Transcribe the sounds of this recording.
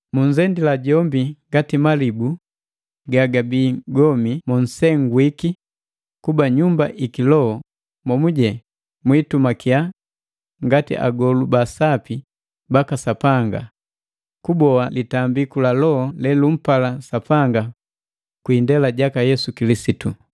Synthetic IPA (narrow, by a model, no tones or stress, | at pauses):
muɲzɛndilaɟɔmbiŋɡatimalibu | ɡaɡabiːɡɔmimɔn̩sɛŋɡwiki | kubaɲumba̰ʔikilɔhɔ | mɔmuɟɛ | mwitumakia | ŋɡatḭʔa̰ɡɔlubasapi | bakasapaŋɡa̰ | kubɔalitambikulalɔhɔlɛlum̩palasapaŋɡa | kwiːndɛlaɟakajɛsukilisitu